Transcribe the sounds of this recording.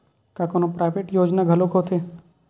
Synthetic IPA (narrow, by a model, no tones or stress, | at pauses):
kakoːnopɾaːʋeːʈjoːd͡ʒnaɡʱɐlokot̪ʰe